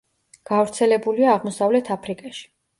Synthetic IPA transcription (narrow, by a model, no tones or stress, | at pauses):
ɡ̥avɾt̪sʰɛlɛbuliaːʁmɔsavlɛt̪ʰapʰɾikʼɛʃi̥